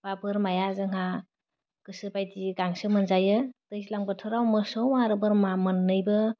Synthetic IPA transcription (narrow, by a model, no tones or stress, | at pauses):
b̥abɯɾmajazɯŋɦa | kɯsɯbajtiɡaŋsɯmɯnzajɯtɯjslaŋbɯtʰɯɾawmɯsɔwmaɾɯbɯɾmamɯnːɯjbɯ